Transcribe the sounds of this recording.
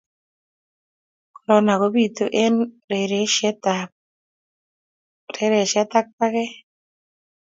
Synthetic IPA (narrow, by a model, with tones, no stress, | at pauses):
ku˨lɔ˨˦na˨ko˨˦bi˦˨t̪o˦ʔe˦nɾe˨ɾe˨˦ʃɛ˦ta˨ | ɾe˨˦ɾɛ˨ʃɛ˦t̪a˦k̚pa˦kɛ˦